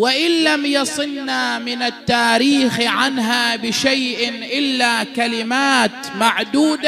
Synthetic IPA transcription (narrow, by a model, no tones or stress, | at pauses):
wɪʔɪnlamjɑsˤɨnːamɪnat̪ːaːɾiːxʕanɦaːbɪʃajʔɪnʔɪlːaːkalɪmaːt̪maʕd̪uːd̪a